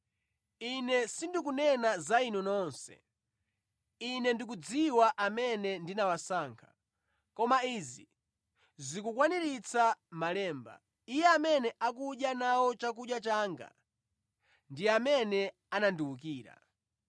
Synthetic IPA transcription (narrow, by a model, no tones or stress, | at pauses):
inɛsindikunɛnazainunɔnsɛ̰ | inɛndik̬ud͡ziwaʔamɛnɛndinawasaːŋkʰḁ | kɔmaiːzi | zikukwaniɾit͡sʰamalɛːmba̰ | ijɛamɛnɛʔak̬uɗjanawɔt͡ʃak̬uɗjat͡ʃaːŋɡa̰ | ndiamɛnɛ | ananduwuk̬iːɾa̰